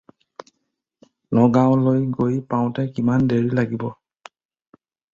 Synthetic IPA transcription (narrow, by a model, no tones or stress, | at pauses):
nɔɡaʊ̃lojɡojpaʊ̃tɛkimandeɹilaɡibɔ